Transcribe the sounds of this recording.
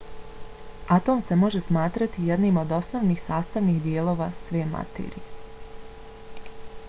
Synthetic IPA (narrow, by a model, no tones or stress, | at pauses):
at̪o̞ːmse̞mo̞ʒe̞smaːt̪ɾat̪ije̞d̪niːmo̞d̪o̞sno̞ːʋnixsaːst̪aʋnixd̪jeːlˠo̞ːʋasʋeːma̰t̪ḛːɾḭje